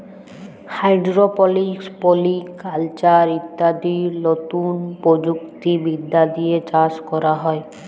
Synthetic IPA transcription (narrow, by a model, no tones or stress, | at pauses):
hajɖɾopɔlikspolikalt͡ʃaɾit̪ːad̪inot̪unpod͡ʒukt̪ibid̪ːad̪ied͡ʒaskɔɾaɦɔe